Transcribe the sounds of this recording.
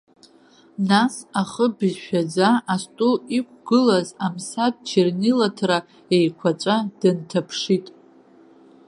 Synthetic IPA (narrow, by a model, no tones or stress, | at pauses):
nasaχəbɨzʃᶣad͡zaːstʼuikʷʰʼɡɨlazamsad̚t͡ʃʰernilatʰra | ejkʷʰat͡ʃʷʼad̥ɨntʰapʰʂitʼ